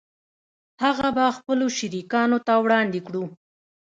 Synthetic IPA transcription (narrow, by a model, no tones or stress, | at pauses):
haɣabaxpəloʃiɾikɑnot̪awɽɑnd̪ekɽu